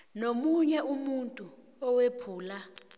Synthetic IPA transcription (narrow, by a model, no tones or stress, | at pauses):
nomuɲɛʔumuntʼu | ɔwepʰuːla